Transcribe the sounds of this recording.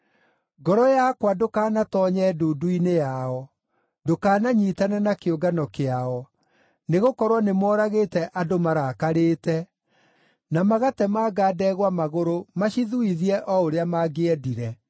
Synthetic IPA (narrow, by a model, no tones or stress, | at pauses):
ɡɔɾɔjakwadokaːnatɔɲɛduduinejaɔ | dokaːnaɲitanɛnakeoɡanɔkeaɔ | neɣokɔɾwanemwɔːɾaɣeːtɛʔadomaɾaːkaɾeːtɛ | namaɣatɛmaɡaːdɛːɣwamaɣoɾomaɕiðuiðiɛʔɔoɾeamaɡeɛdiɾɛ